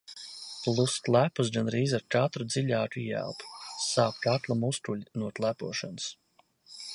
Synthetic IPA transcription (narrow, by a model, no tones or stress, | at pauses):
plˠust̪lˠæpus̬ɡanɾiːzaɾkat̪ɾud̪ziʎʲaːkijæ̰lˠpsaːkt̪at̪lˠamust̪uʎʲnuɔt̪lˠæpuɔʃans